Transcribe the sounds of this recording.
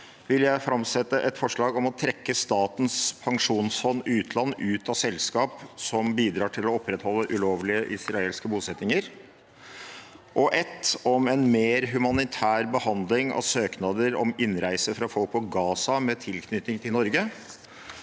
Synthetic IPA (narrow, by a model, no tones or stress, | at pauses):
ʋɪljæɪfɾɑmsɛt̪ːəʔɛt̪fɔʂɭɑːɡɔmɔt̪ʰɾɛkːəst̪ɑːt̪n̩spʰɑŋʂuːnsfɔnːʉːt̪ʰlɑnːʉːt̪ɑsɛlskɑːpsɔmbiːd̪ɾɑːʈʰɪlɔɔpːɾɛt̪hɔlːəʔʉloːʋlɪəʔɪsɾɑeːlskəbuːsɛt̪nɪŋəɾ | ʔɔʔɛt̪ːɔmɛnmeːɾɦʉmɑnɪt̪ʰæːɾbəhɑnd̪lɪŋɑ̰ʋsøːknɑd̪əɾɔmɪnɾæɪsəfɾɑfɔlk̚pɔɡɑːsɑmɛt̪ʰɪlkʰnʏt̪ɪŋt̪ʰɪlnɔɾɡə